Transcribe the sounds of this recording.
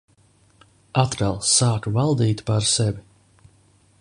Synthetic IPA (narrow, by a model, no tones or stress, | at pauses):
at̪kalˠsaːkvalˠd̪iːt̪ʲpaɾsɛvi